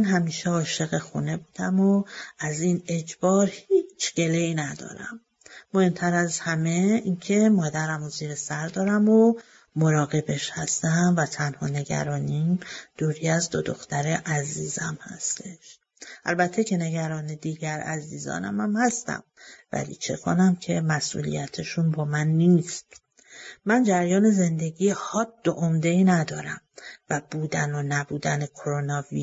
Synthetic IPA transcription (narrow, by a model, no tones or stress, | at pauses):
mænɦæmiːʃeɒːʃe̞ɣexuːne̞buːd̪æmoæzine̞d͡ʒbɒːɾhiːt͡ʃʰɡ̥e̞leiːnæd̪ɒ̰ːɾæ̰mː | ohe̞mt̪ʰæɾæzhæmeiːncʰe̞mɒːd̪æɾæmoziːɾesæɾd̪ɒːɾæmo | mo̞ɾɒːɣe̞be̞ʃhæst̪æmvæt̪ʰænhɒːne̞ɡæ̰ɾɒːnid̪̥uːɾiːæzd̪od̪oxt̪æɾeʔæziːzæmhæ̰st̪ʰe̞ʃ | ʔælbæt̪ʰːecʰe̞ne̞ɡæɾɒːned̪iːɟæɾæ̰ziːzɒ̰ːnæmæmhæst̪æ̰mvæ̰lḭːt͡ʃʰe̞kʰo̰næmcʰe̞mæsʔṵːlḭjæt̪ʰeʃunbɒːmænːiːst̪ | mænd͡ʒæɾjɒːne̞ze̞nd̪e̞ɡiːhɒd̪̥ːoʔomd̪e̞iːnæd̪ɒːɾæmvæb̥uːd̪ænonæbuːd̪ænekʰoɾonɒːvi